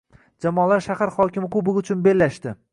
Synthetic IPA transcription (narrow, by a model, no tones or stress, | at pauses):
d͡ʒamɒːlaɾʃahaɾχɒkʲɪmɪkʊbɪɡʊt͡ʃʰʊnbe̞lːaʃt̪ɪ